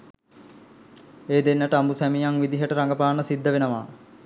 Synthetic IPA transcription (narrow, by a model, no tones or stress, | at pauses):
eːd̪enːəʈəambusæmijaŋʋid̪iɦəʈəɾaŋɡəpaːnəsid̪ːəʋenəʋaː